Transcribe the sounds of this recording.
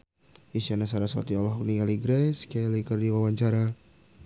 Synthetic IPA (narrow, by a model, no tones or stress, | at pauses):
iʃanasaɾasa̰t̪iɔlɔɦuniŋaliɡɾɛskalikərdiwawaɲt͡ʃaɾa